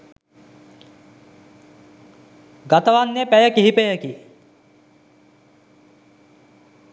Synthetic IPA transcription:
ɡat̪əʋanːepæjəkiɦipejəki

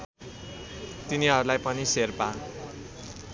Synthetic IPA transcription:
t̪iniɦʌɾulajpʌniserpa

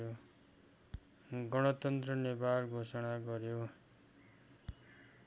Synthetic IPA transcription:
o | ɡʌɽ̃ʌt̪ʌnt̪rʌnebarɡʱosʌɽ̃aɡʌɾjo

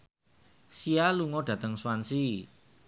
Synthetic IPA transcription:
sialuŋɔdɖ̥ä̤t̪əŋswansi

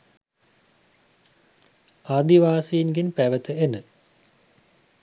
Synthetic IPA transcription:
aːd̪iʋaːseinɡenpæʋət̪əenə

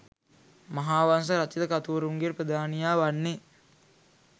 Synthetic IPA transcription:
maɦaːʋans̬əɾat͡ʃid̪əkat̪uʋɾuŋɡeɾpɾəd̪ʱaːnijaːʋanːe

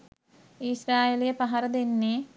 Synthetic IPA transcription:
isɾaːjeːlijəpaɦɐɾɐd̪enːe

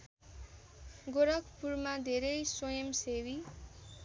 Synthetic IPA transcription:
ɡoɾʌkʰpurmad̪ʱeɾʌjswʌjʌmsewi

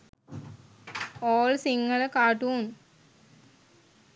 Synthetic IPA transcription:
ɔoːlsiŋɡələkaːʈuːn

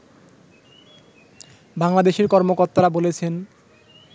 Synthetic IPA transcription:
baŋlad̪eʃeɾkɔɾmokoɾt̪aɾabolet͡ɕʰen

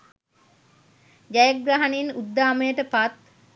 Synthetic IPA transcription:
d͡ʒajak̚ɡɾaɦaninud̪ːaːməjəʈəpat̪̚

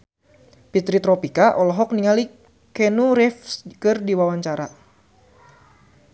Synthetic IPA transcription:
pit̪ɾit̪ɾɔpikaʔɔlɔɦɔk̚niŋali | kɛnuɾɛfskɨrdiwawaɲt͡ʃaɾa

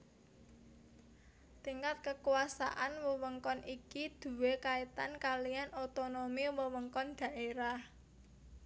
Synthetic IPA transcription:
t̪iŋkat̪̚kəkuwasa̰ʔanwəwəŋkɔnʔikid̪̥ṳwekait̪ankalijanot̪onomiwəwəŋkɔnd̪̥a̤ʔeɾah

